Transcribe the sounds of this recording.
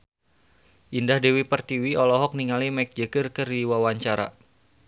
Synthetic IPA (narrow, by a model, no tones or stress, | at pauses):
ʔindahdewipərt̪iwiɔlɔɦɔk̚niŋalimɛk̚d͡ʒəkərkərdiwawaɲt͡ʃaɾa̰